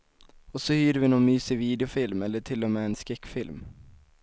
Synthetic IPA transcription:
ɔsɔhyːɾəvɪnɔnmyːsɪviːd̪ɛʊfɪlmɛlːəʈʰɪlːɔmeːɛnskɛkːfɪlm

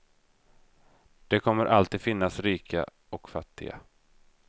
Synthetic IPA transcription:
d̪̥ɛkʰɔmːəɾʔalt̪iːd̪fɪnːasɾiːkʰa̰ | ɔkfat̪ːɪɡa̰

